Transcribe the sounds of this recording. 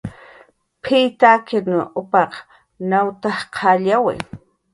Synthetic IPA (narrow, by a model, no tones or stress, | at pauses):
pʰit̪akɪnʊʊpɑq | nawt̪ahqʰɑʎawɪ̰